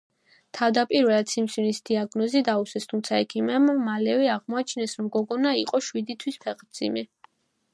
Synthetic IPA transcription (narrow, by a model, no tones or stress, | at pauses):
t̪ʰavd̪apʼiɾvɛlad̪simsinisd̪̥iaɡnɔzid̪ausɛst̪ʰumt̪sʰaɛkʰimɛmːalɛvɛaʁmɔat͡ʃʰnɛsɾɔmɡɔɡɔnaiqʼɔʃwid̪it̪ʰwispʰɛqʰʼɾd̪z̥ḭmɛ